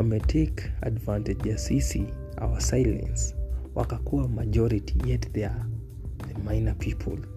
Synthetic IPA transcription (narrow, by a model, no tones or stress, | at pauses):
ɔmɛtʰeka̰dvãntɛd͡ʒjasisi | a̰wasajlɛ̰̃nswʔa̰kakuamajd͡ʒɔɾitʰijɛtðɛ | ðəmajnapʰipʰɔ̰l